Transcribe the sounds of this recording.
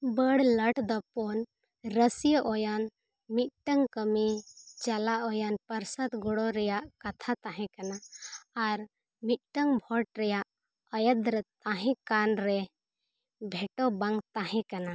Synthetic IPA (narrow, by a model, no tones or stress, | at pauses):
bəɽləʈd̪ɔpɔn | ɾəsijəʔɔjan | mit̪̚ʈəŋkəmit͡ʃalaʔɔjanpəɾsət̪ɡɔɽɔɾɛjaʔkat̪ʰat̪ãɦɛ̃kanaː | ɾ | mit̪̚ʈəŋbʱɔʈ̚ɾɛjaʔ | əjəd̪ɾət̪ãɦɛ̃kanɾɛ | bʱɛʈɔbãŋɡt̪ãɦɛ̃kana